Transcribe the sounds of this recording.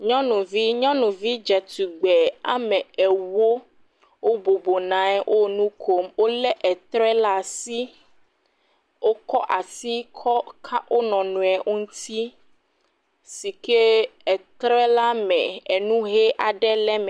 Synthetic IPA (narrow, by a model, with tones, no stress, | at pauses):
ɲɔ̃˦nũ˨vi˦ɲɔ̃˦nũ˨vi˦d͡ʒɛ˨t̪u˨ɡ͡bɛ˨a̰˦mɛ̃˨ɛ˨wo˦ | wo˦bo˨bo˨nã˨ɛ˦wʔo˦nũ˦kʰo˦mwo˦lɛ˦ʔɛ˨t̪ɾɛ˦la˦˨si˦ | wo˦kɔ˦ʔa˨si˦kʰɔ˦kʰa˦wo˦nɔ̃˨nũ˨ɛ˨ʔo˦ŋũ˦t̪ʰi˦ | si˨ke˦ɛ˨t̪ɾɛ˦la˦mɛ̃˨ɛ˨nũ˦ɦe˦ʔa˨ɖɛ˦lɛ˦mɛ˨